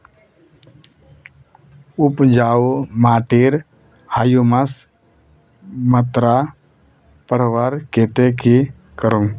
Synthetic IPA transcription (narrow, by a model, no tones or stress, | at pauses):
ʊpd͡ʒaːumaːʈiɾ | haːjuməs | mət̪ɾa | pəɾʋaɾkeːt̪eki | kəɾuŋ